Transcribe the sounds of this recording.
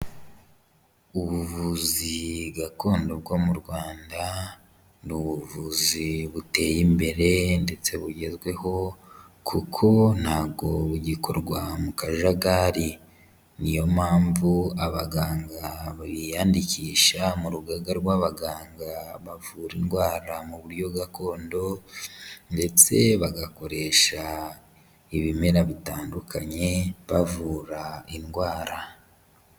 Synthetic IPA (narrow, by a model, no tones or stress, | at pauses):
uβuvuziɡako̞ːndobɡo̞muɾɡwaːnda | nuβuvuziβute̞ːjimbe̞ɾe̞nde̞t͡se̞βuɟe̞zɡwe̞ho̞ | kʰukʰo̞n̥haːβɡo̞βuɟikʰo̞ɾɡwamukaʒaɡaːɾi | nijo̞maːɱvuaβaɡaːŋɡaβaβijaːndiciːʃamuɾuɡaɡaɾɡwaβaɡaːŋɡaβavuːɾinɡwaːɾamuβuɾjo̞ɡako̞ːndo̞ | nde̞t͡se̞βaɡako̞ɾe̞ʃa | iβime̞ɾaβitaːndukʰaɲe̞βavuːɾainɡwaːɾa